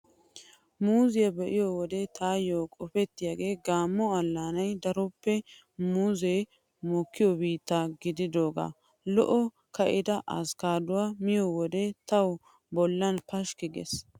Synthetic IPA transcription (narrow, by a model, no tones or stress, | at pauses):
muːzɪjɐbɛʔɪjɔwɔd̪ɛt̪ʰaːjoːkʼɔfɛt̪ːɪjaːɡe̞ːɡaːmːɔɐlːaːnɐjd̪ɐɾɔpːɛ | muːzej | mɔkːɪjɔbiːt̪ːaɡɪd̪ɪd̪o̞ːɡa̰ | lɔ̰ʔɔ | kɐʔɪd̪ɐʔɐskaːd̪ʊwaːmɪjowɔd̪ɛt̪ɐw | bɔlːɐnpɐʃkɪɡɛ̰s